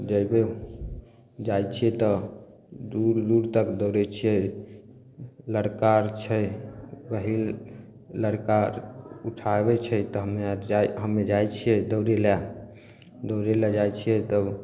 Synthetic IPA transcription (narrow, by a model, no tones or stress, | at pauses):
d͡ʒəbe | d͡ʒajt͡ʃʰiɛt̪ɔ | d̪uɾd̪uɾt̪əkd̪əwɾɛt͡ʃʰie | ləɾkaɾt͡ʃʰɛbəɦil | ləɾkaɾuʈʰaebɛt͡ʃʰɛt̪ɔɦəmed͡ʒaɦəmːed͡ʒajt͡ʃʰijɛd̪əwɾela | d̪əwɾelɛd͡ʒajt͡ʃʰijɛt̪əb